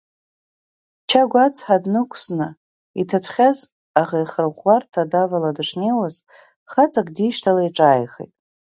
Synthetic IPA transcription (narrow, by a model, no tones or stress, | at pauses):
t͡ʃʰaɡʷat͡sʰʼħadnɨkʷʰsnɨ | itʰat͡sʷʰχʲaz | aʁajχərʁʷːartʰadavaladɨʂnejwaz | χat͡sʼakʼdiʃtʰalaiʈ͡ʂʼaːjχḛjtʼ